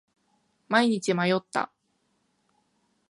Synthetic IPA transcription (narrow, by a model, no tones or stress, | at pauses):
maiɲ̟it͡ɕimajo̞t̪ːa̰